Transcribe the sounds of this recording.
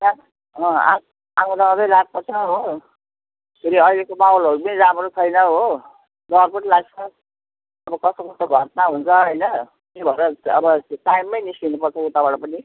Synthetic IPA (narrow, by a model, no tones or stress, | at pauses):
na | ʌ̃a̰ | ãŋunʌʌɾʌjlaɡ̚pʌrt͡sʰʌɦo | siɾiʌjlekobawlɦoɾupʌniɾamɾot͡sʰʌjnʌɦo | d̪ʌrpuʈilaɡt͡sʰʌ | ʌbʌkʌst̪okust̪oɡʱʌʈnaɦunt͡sʰʌɦʌjnʌ | k̪ebʱʌɾʌʌbʌʈajmːʌjnislinupʌrt͡sʰʌut̪abʌɽʌpʌni